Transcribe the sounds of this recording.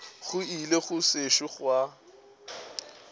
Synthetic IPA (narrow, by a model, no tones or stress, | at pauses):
ɣʊileχʊseʃʊχwa